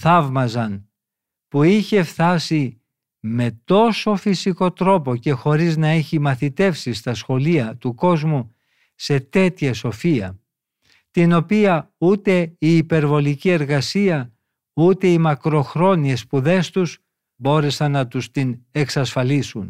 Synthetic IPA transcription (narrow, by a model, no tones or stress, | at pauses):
θɐvmɐzɐn | puiçe̞fθɐsi | me̞t̪o̞so̞fisiko̞t̪ɾo̞po̞ce̞xo̞ɾiznɐeçimɐθit̪e̞fsist̪ɐsxo̞liɐt̪uko̞zmu | se̞t̪e̞t̪çɐso̞fiɐ̰ | t̪ino̞piɐut̪e̞iːpe̞ɾvo̞licie̞ɾɣɐsiɐ | ut̪e̞imɐkɾo̞xɾo̞nie̞spuðe̞st̪uz̥ | bo̞ɾe̞sɐnːɐt̪ust̪ine̞ksɐsfɐlisun